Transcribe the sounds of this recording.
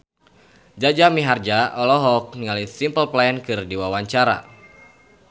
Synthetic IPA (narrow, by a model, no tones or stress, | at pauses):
d͡ʒad͡ʒamiɦard͡ʒaɔlɔɦɔk̚nŋalisimpəlplajɛnkɨrdiwawaɲt͡ʃaɾa̰